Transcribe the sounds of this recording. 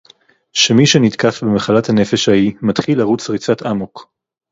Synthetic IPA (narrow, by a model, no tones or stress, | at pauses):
ʃe̞miʃenit̪kafbemaχalathane̞feʃhaimat̪χilaʁut͡sʁit͡sat̪amok